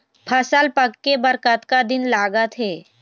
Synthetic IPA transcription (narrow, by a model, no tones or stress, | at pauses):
pʰɐsəlpəkːebəɾkət̪kad̪ɪnlaːɡət̪ʰɦeː